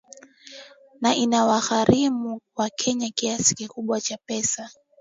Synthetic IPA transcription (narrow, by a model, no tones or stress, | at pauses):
naʔinawaɣaɾimuwakʰɛɲakiasi̥kikuɓwat͡ʃapɛsa